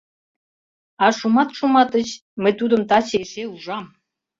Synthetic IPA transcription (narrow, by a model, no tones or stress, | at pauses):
ɑʃumɑt̪ʃumɑt̪ət͡ɕ | məjt̪ud̪ə̆mt̪ɑt͡ɕeʃeuʒɑm